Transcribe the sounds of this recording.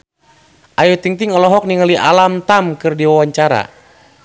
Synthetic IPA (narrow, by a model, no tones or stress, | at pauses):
ʔajut̪iŋt̪iŋɔlɔɦɔk̚niŋaliʔa̰lamt̪amkɨrdiwawaɲt͡ʃaɾa̰